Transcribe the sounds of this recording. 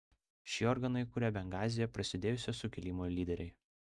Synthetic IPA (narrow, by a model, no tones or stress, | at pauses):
ʃʲiːɔːɾɡɐnɐɪkʊɾʲɛbʲɛŋɡɑːzʲɪjɛpɾɐsʲɪd̪ʲeːjʊsʲɛsʊkʲɪlʲiːmoːlʲiːd̪ʲɛɾʲɛɪ